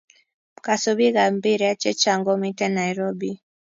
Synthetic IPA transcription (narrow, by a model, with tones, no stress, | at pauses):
m˨ka˨sɔ˦ɓi˦ɣa˨mbi˦ɾɛ˨a˦t͡ʃɛ˦t͡ʃa˨ŋɡɔ˦mi˦tɛ˦na˨iɾɔ˦bi˨